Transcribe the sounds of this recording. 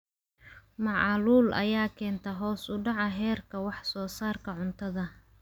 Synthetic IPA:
mɑʕɑluːlʔɐ̰jaːkʰɛːnt̪ʰɐɦɔːsʊɖɑʕɐɦɛːrkʰɐwɑħsɔːsaːrkʰɐʕʊnt̪ʰɐðɐ

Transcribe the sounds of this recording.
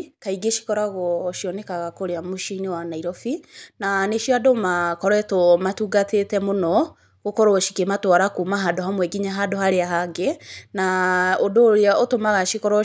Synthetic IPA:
kaiɡeʃi̥kɔɾaɣɔʃiɔnekaɣakoɾeamoʃinewanaiɾɔfinaneʃiadomakɔɾɛtomatuːɡatʰetɛmonɔ | ɣokɔɾɔɔʃikematwaɾakumaɦadoɦamwɛɡiɲaɦadohaɾeaɦaɡenaodoːɾeaʔotomaɣaʃikɔɾɔ

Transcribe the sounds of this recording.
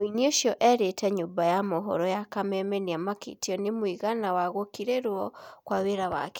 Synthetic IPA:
oinioʃjɔʔɛɾetɛɲobajamoɦɔ̰ɾɔjakamɛmɛniamakḭtiɔnemwiɣanawaɣokiɾeɾwɔkwaβeɾawa̰k

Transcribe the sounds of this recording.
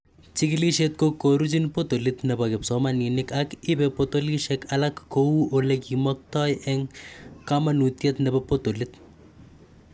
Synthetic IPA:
t͡ʃɪkɪliʃet̪̚kokːoɾut͡ʃinpot̪olɪt̪nɛbakɪpsɔmanɪnɪkakɪpɛpot̪oliʃɛkalakːowuʔolekimɔk̚tɔjɛŋkamanut̪jet̪nɛbɛpot̪olɪt̪̚

